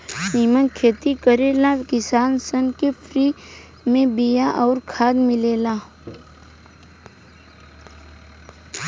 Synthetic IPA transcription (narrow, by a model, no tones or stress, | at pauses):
siːmənkʰeːt̪ikəɾeːlakɪsaːnsənkepʰɾiː | mẽbijaʔɔːɾkʰaːd̪mɪleːlaː